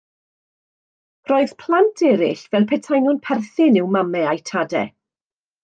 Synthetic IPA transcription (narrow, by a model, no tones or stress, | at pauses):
rɔɨð̥pʰlˠantʰɛɾɪ̰ɬvɛlˠpʰɛtʰajnʊnpʰɛrθɪnɪwmamɛajtʰadɛ̰